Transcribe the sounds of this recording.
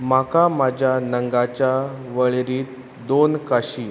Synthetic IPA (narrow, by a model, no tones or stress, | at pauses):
makamad͡ʑʱjanəŋɡat͡ɕjaʋəɭeɾiːt̪̚ | d̪onkaɕiː